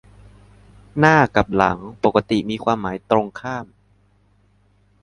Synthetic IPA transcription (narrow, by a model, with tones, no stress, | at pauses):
naː˥˩ka˨˩p̚la̰˩˦ŋpo˨˩kːa˧˦t̪i˨˩miː˧kʰwaː˧mːaː˩˦jt̪ɾo˧ŋkʰaː˥˩m